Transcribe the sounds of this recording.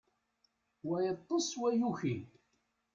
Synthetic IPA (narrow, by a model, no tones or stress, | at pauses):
wæjət̪ˤːəsˤwæjuçi